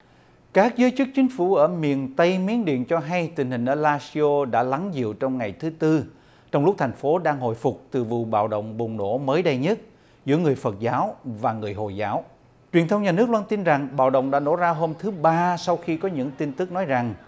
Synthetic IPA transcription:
kaː˦˥k̚zəː˨˦jt͡ɕɨ˦˥k̚t͡ɕï˨˦ŋ̟fu˧˩ʔəː˧˩mi˨˩ənt̪ə˧jmi˨˦ənɗḭ˧˨ənt͡ɕɔ˧ɦa˧jt̪ï˨˩ŋ̟hï˨˩ŋ̟ʔəː˧˩laː˧si˧o˧ɗa̰ː˧˥la˨˦ŋzḭ˧˨əwt͡ɕɔ˧wŋ͡mŋa˨˩jt̪ʰɨ˨˦t̪ɨ˧ | t͡ɕɔ˧wŋ͡mlʊ˦˥k͡p̚t̪ʰa˨˩jŋ̟fo˨˦ɗaː˧ŋɦo̰˧˨jfʊ˨˩k͡p̚t̪ɨ˨˩vṵ˨ɓa̰ː˧˨wɗə̰˧˨wŋ͡mɓʊ˨˩ŋ͡mno̰˧˥məː˨˦jɗə˧jɲə˦˥t̚ | zɨ̰˧˥jŋɨ˨˩əjfə˨˩t̚zaː˨˦wvaː˨˩ŋɨ˨˩əjɦo̰˧˨jzaː˨˦w | t͡ɕwi˨˩ənt̪ʰə˧wŋ͡mɲaː˨˩nɨ˦˥ək̚lwaː˧nt̪i˧nza˨˩ŋɓa̰ː˧˨wɗə̰˧˨wŋ͡mɗa̰ː˧˥no̰˧˥zaː˧ɦo˧mt̪ʰɨ˨˦ɓaː˧sa˧wxi˧kɔ˨˦ɲɨ̰˧˥ŋt̪i˧nt̪ɨ˦˥k̚nɔ˨˦jza˨˩ŋ

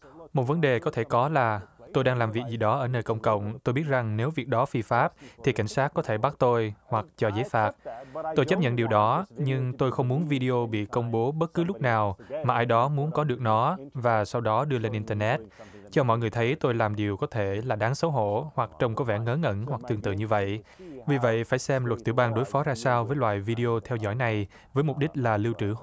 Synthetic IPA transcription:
mo˨˩t̚və˨˦nɗe˨˩kɔ˨˦t̪ʰe˧˩kɔ˨˦laː˨˩t̪o˧jɗaː˧ŋlaː˨˩mvi˨˩ək̚zi˨˩ɗɔ˨˦ʔəː˧˩nəː˨˩jkə̰˧wŋ͡mkə̰˧˨wŋ͡mt̪o˧jɓi˦˥ət̚za˨˩ŋne˨˦wvi˨˩ək̚ɗɔ˨˦fi˧faː˦˥p̚t̪ʰi˨˩ka˧˩jŋ̟saː˦˥k̚kːɔ˨˦t̪ʰe˧˩ɓa˦˥t̚t̪o˧jhwa˨˩k̚t͡ɕɔ˧zəː˨˦jfaː˦˥t̚t̪o˧jt͡ɕə˦˥p̚ɲə̰˧˨nɗi˨˩wɗɔ˨˦ɲɨ˧ŋt̪o˧jxə˧wŋ͡mmu˨˦ənvi˧ɗi˧ʔo˧ɓḭ˧˨kə˧wŋ͡mɓo˨˦ɓə˦˥t̚kːɨ˨˦lʊ˦˥k͡p̚naː˨˩wmaː˨˩ʔaː˧jɗɔ˨˦mu˨˦ənkɔ˨˦ɗɨ˨˩ək̚nɔ˨˦vaː˨˩sa˧wɗɔ˨˦ɗɨ˧əle˧nʔi˧nt̪əː˧nɛ˦˥t̚ | t͡ɕɔ˧mɔ̰˧˨jŋɨ˨˩əjt̪ʰə˨˦jt̪o˧jlaː˨˩mɗi˨˩əwkɔ˨˦t̪ʰe˧˩laː˨˩ɗaː˨˦ŋsə˨˦wɦo̰˧˨hwa˨˩k̚t͡ɕə˧wŋ͡mkɔ˨˦vɛ̰˧˩ŋəː˨˦ŋə̰˧˥nhwa˨˩k̚t̪ɨ˨˩əŋt̪ɨ̰˧˨ɲɨ˧və̰˧˨j | vi˨˩və̰˧˨jfaː˧˩jsɛ˧mlwə˨˩t̚t̪ɨ̰˧˩ɓaː˧ŋɗo˨˦jfɔ˨˦zaː˧saː˧wvəː˨˦jlwa̰ː˧˨jvi˧ɗi˧ʔo˧t̪ʰɛ˧wzɔ̰˧˩jna˨˩j | vəː˨˦jmʊ˨˩k͡p̚ɗi˦˥k̟̚laː˨˩lwt͡ɕɨ̰˧˩

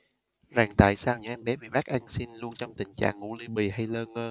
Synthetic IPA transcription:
zaː˨˩ŋt̪a̰ː˧˨jsaː˧wɲa˧ʔɛ˧mɓɛ˨˦ɓḭ˧˨ɓaː˦˥k̚ʔa˧jŋ̟si˧nlu˧ənt͡ɕɔ˧wŋ͡mt̪ï˨˩ŋ̟t͡ɕa̰ː˧˨ŋːṵ˧˩˥li˧ɓi˨˩ha˧jləː˧nŋəː˧

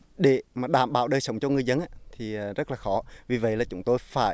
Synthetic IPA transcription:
ɗe˧˩˦maː˨˩ɗaː˧˩mɓa̰ː˧˩wɗəː˧jsə˨˧˦wŋ͡mt͡ɕɔ˧ŋɨ˨˩əjzə˧nʔaː˧˦t̪ʰiː˨˩˨zə˦˥laː˨˩xɔ˨˦vi˨˩və̰˧˨jlaː˨˩t͡ɕʊ˨˧˦ŋ͡mt̪o˧jfaː˧˩j

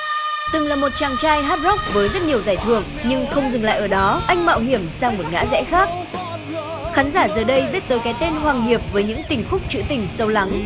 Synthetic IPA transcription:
t̪ɨ˨˩ŋlaː˨˩mo˨˩t̚t͡ɕaː˨˩ŋt͡ɕaː˧jɦaː˦˥t̚zɔ˦˥k͡p̚vəː˨˦jzə˦˥t̚ɲi˨˩əwzaː˧˩jt̪ʰɨ̰˧˩əŋ | ɲɨ˧ŋxə˧wŋ͡mzɨ˨˩ŋla̰ː˧˨ʔəː˧˩ɗɔ˨˦ʔa˧jŋ̟ma̰ː˧˨wɦi˧˩əmsaː˧ŋmo˨˩t̚ŋa̰ː˧˥zɛ̰˧˥xaː˦˥k̚ | xaː˨˦nzaː˧˩zəː˨˩ɗə˧jɓi˦˥ət̚t̪əː˨˦jkaː˨˦jt̪e˧nɦwaː˨˩ŋɦi˨˩əp̚vəː˨˦jɲɨ̰˧˥ŋt̪ï˨˩ŋ̟xʊ˦˥k͡p̚t͡ɕɨ̰˧˥t̪ï˨˩ŋ̟sə˧wla˨˦ŋ

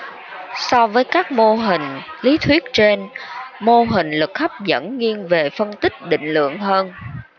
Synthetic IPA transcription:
sɔ˧vəː˨˦jkaː˦˥k̚mo˧ɦï˨˩ŋ̟li˨˦t̪ʰwi˦˥ət̚t͡ɕe˧nmo˧ɦï˨˩ŋ̟lɨ˨˩k̚xa˦˥p̚zə̰˧˥nŋi˧ənve˨˩fə˧nt̪ï˦˥k̚ɗḭ̈˧˨ŋ̟lɨ̰˧˨əŋɦəː˧n

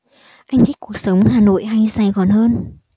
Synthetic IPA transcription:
ʔa˧jŋ̟t̪ʰi˦˥k̚ku˨˩ək̚sə˨˦wŋ͡mhaː˨˩no̰˧˨jɦa˧jzaː˨˩jɣɔ˨˩nɦəː˧n

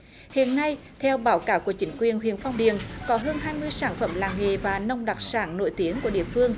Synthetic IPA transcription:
hḭ˧˨ənːa˧jt̪ʰɛ˧wɓaː˨˦wkaː˨˦wku˧˩ət͡ɕï˨˦ŋ̟kwi˨˩ənɦwḭ˧˨ənfa˧wŋ͡mɗḭ˧˨ənkɔ˨˦ɦəː˧nɦaː˧jmɨ˧əjsaː˧˩nfə˧˩mlaː˨˩ŋŋḛ˧˨vaː˨˩nə˧wŋ͡mɗa˨˩k̚saː˧˩nno̰˧˨jt̪i˨˦əŋku˧˩əɗḭ˧˨əfɨ˧əŋ

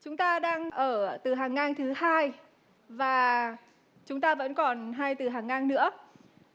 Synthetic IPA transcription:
t͡ɕʊ˨˦ŋ͡mt̪aː˧ɗaː˧ŋʔəː˧˩t̪ɨ˨˩ɦaː˨˩ŋːaː˧nt̪ʰɨ˨˦haː˧j | vaː˨˩ | t͡ɕʊ˨˦ŋ͡mt̪aː˧və̰˧˥nkɔ˨˩nɦaː˧jt̪ɨ˨˩ɦaː˨˩ŋːaː˧nnɨ̰˧˥ə

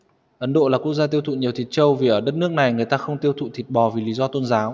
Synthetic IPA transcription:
ʔə˨˦nɗo̰˧˨laː˨˩kək̚zaː˧t̪i˧əwt̪ʰṵ˧˨ɲi˨˩əwt̪ʰi˨˩t̚t͡ɕə˧wvi˨˩ʔəː˧˩ɗə˦˥t̚nɨ˦˥ək̚na˨˩jŋɨ˨˩əjt̪aː˧xə˧wŋ͡mt̪i˧əwt̪ʰṵ˧˨t̪ʰi˨˩t̚ɓɔ˨˩vi˨˩li˨˦zɔ˧t̪o˧nzaː˨˦w

